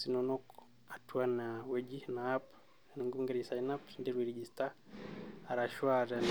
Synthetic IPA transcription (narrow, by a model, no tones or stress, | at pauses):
sinɔnɔk | atuanawɛd͡ʒinaap | niŋɡuŋɡɛɾisainapndiɾiɾɛd͡ʒista | aɾaʃwaɾɛn